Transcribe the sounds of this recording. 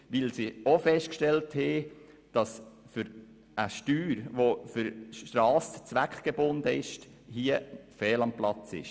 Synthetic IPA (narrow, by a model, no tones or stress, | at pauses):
ʋɪlsiofɛʃt̚kʃtɛlthɛ | d̥ɑsfʏɾ | ʔəʃtyːɾʋofʏɾʃtɾɑːsə̥t͡sʋækχɡ̥ebʊnd̪əɪʃt | hiəfɛːlɑmplɑt͡sɪ̰ʃ